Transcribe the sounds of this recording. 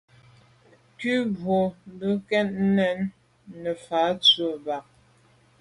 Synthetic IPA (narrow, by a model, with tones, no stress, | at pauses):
kʉ˦bwo˨m˦bə˦kɛ˦tn̩˦nɛ˦nː | ə˨fa˨˦t͡sə˨ba˨k̚